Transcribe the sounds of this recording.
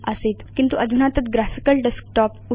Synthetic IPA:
əset̪kint̪uʔəd̪ʱunat̪ət̪ɡɾafikəlɖesk̚ʈɔpu

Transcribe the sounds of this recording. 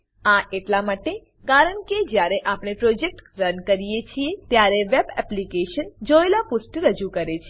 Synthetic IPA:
aʔeʈlamaʈe | kaɾəɳked͡ʒjaɾeʔapɽ̃epɾod͡ʒek̚ʈɾənkəɾijet͡ʃʰiet̪jaɾeʋebɛ̰plikeʃənd͡ʒoelapusʈɾəd͡ʒukəɾet͡ʃʰe

